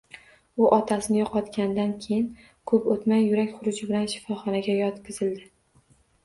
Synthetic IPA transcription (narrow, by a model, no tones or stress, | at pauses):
ʊʔɒt̪ʰasɪnɪjɒqʰɒt̪kʲand̪ankʲʰejɪn | kʰɵpot̪majːʊɾakʲχʊɾʊd͡ʒɪbɪlanʃɪ̥fɒχɒnaɡʲajɒt̪kʲɪzɪld̪ɪ